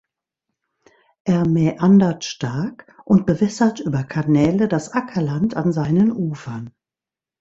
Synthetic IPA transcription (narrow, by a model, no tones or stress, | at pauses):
ʔeːɐmɛːʔandɐtʃtaɐkʔʊnt̚b̥əvɛsɐtʔyːbɐkʰanɛːlədasʔakʰɐlantʰanzaɪnənʔuːfɐn